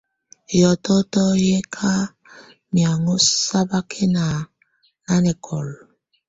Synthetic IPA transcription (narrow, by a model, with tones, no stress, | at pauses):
jɔ˨tɔ˦tɔ˦je˦kʰa˦ | mi˨a˨ŋo˦sa˦ba˦kʰe˦na˨ | a˦ne˨kʰɔ˨l